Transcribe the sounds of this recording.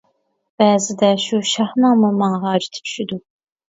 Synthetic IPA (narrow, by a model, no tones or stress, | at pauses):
b̥ɛːzɪd̪ɛʃuʃɑhnɨŋmumɑŋɑɦɑːd͡ʒi̥t̪ʰɪ̥t͡ʃʰy̥ʃyd̪u